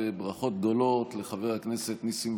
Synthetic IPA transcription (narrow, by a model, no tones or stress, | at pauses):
ebʁaχo̞t̪̚ɡ̚d̪o̞lo̞t̪le̞χaveʁhaknese̞t̪nisim